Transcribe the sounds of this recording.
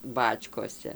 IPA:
ˈbɑːt͡ʃkoːsʲɛ

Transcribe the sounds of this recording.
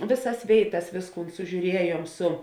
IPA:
ˈʋʲeːˌsɐs ˈʋʲeːɪˌtɐs ˈʋʲeːsˌkuːn sʊʒʲuːˈrʲiɛjuɔm ˈsʊ

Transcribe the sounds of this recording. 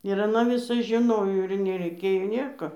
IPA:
ɪr ɐˈnɐ ʋʲɪˈsɐs ʒʲɪˈnoːjoː ɪr nʲɛrʲɛɪˈkʲeːjoː ˈnʲeːkoː

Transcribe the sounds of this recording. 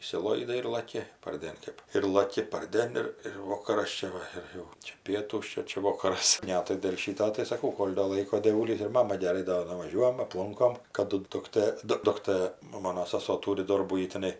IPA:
ɪʃʲsʲɪˈlˠoːɪdɐɪ ɪr lˠɐˈkʲɪ pɐrʲˈdʲeːn ˈkɜp ɪr lˠɐˈkʲɪ pɐrʲˈdʲeːn ɪr ɪr ˈʋoːkɐrɐs ˈt͡ʃʲɛ ʋɐ ɪr ˈjɛʊ t͡ʃʲɛ ˈpʲiɛtuːs ˈt͡ʃʲɛ ˈt͡ʃʲɛ ˈʋoːkɐrɐs ˈnʲɛ tɐɪ dʲeːlˠ ˈʃʲiːtoː tɐɪ sɐˈkɐʊ ˈkoːlʲ doː ˈlˠɐɪkoː dʲeːˈʋuːlʲiːs ɪr ˈmɑːmɐ ɡʲɛˈrɐɪ doː nʊʋɐˈʒʲuɔjɛm ɐpˈlˠʊŋkoːm kɐˈdʊ dʊkˈtɘ ˈdʊ ˈdʊktɘ nʊ ˈmoːnoː sɐˈsoː ˈtuːrʲɪ ˈdoːrbuː ˈjɪ tʲɛˈnɐɪ

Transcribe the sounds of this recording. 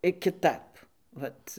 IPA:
ɪ kʲɪˈtɐp ˈʋɐt

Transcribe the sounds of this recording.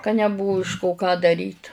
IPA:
kɐ nʲɛˈbʊʋʊ ɪʃ koː kɑː dɐˈrʲiːt

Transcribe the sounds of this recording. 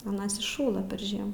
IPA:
ɐˈnɐs ɪʃˈʃuːlˠɐ pʲɛr ˈʒʲiɛmuː

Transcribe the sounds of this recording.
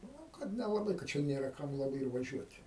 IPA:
nʊ ˈkɐt nʲɛlˠɐˈbɐɪ kɐ ˈt͡ʃʲɛ ˈnʲeːrɐ ˈkɐm lˠɐˈbɐɪ ɪr ʋɐˈʒʲuɔtʲ

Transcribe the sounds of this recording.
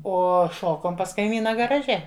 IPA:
ˈoː ˈʃoːkoːm pɐs kɐɪˈmʲiːnɐ ɡɐrɐˈʒʲɛ

